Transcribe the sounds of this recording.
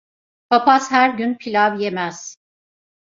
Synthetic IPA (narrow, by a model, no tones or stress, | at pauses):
pʰapashæɾɟynpʰilʲavjemɛz̥